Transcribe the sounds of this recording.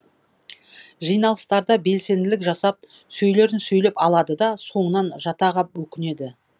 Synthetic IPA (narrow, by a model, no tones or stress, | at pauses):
ʒijnɑlˠəst̪ɑɾd̪ɑbe̞lse̞nd̪ɪlɪkʒɑsɑp̚ | sɵjle̞ɾɪnsɵjlepɑlˠɑd̪əd̪ɑso̞ɴənɑnʒɑt̪ɑʁɑp̚wɵkʲɪne̞d̪ɪ